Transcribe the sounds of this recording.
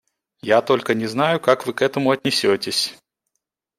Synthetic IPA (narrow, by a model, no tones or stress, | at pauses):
jat̪o̞lʲkənʲɪznajʊkakvɨkɛt̪əmʊɐt̪ʲnʲɪsʲotʲɪsʲ